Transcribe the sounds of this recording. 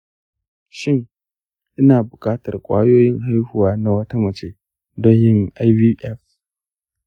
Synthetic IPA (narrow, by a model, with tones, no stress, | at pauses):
ʃɪ˦ŋ | ʔɪ˦naː˨bʊ˨kʼaː˦tɐ˨rkʷʼa̰ː˦joː˦jɪ˦ŋɦa˦jhuː˨waː˦na˨wɐ˦ta˦mɐ˨t͡ʃeː˦ | dɔ˦ɲjɪ˦ŋʔa˦jbiː˦ʔɛ˦f